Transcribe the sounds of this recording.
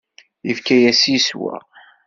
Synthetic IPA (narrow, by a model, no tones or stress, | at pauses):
jəfkæjæsjswæ̰